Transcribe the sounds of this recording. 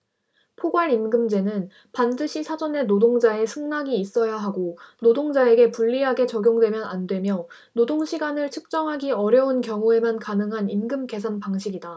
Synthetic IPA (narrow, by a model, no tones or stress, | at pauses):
pʰoɡwaɾimɡɯmd͡ʑe̞nɯn | pandɯɕʰisʰad͡ʑʌne̞nodoŋd͡ʑae̞sʰɯŋnaɡiːs͈ʌjaɦaɡonodoŋd͡ʑae̞ɡe̞puɭːiɦaɡe̞t͡ɕʌɡjoŋdwe̞mjʌna̰ndwe̞mjʌ | nodoŋɕʰiɡanɯɭt͡ɕʰɯk̚t͡ɕ͈ʌŋɦaɡiʌɾjʌunkjʌŋue̞mankanɯŋɦanimɡɯmke̞sʰanpaŋɕʰiɡida